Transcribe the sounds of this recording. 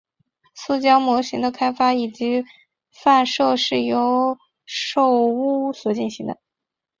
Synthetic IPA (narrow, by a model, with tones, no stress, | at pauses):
su˥˩t͡ɕjɑ˥ʊmwɔ˧˥ɕi˧˥ŋd̪ə˧kʰa˥ɪfa˥i˨˩t͡ɕi˧˥ | fa˥˧nʂo˥˧ʊʂɻ̩˥˩jo˧˥ʊ | ʂo˥˩ʊu˥˩swɔ˨˩t͡ɕi˥˩nɕi˧˥ŋd̪ə̰˧